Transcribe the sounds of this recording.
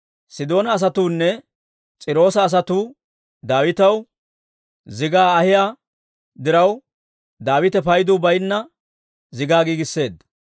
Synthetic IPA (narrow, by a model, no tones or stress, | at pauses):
sɪd̪o̞ːnɐːs̬ɐt̪uːnːɛ | t͡sʼɪɾo̞ːsɐːs̬ɐt̪uː | d̪aːwɪt̪ɐw | zɪɡaːhɪjaː | d̪ɪɾɐw | d̪aːwɪt̪ɛpɐjd̪ʊbɐjnːɐ | zɪɡaːɡiːɡɪsːe̞ːd̪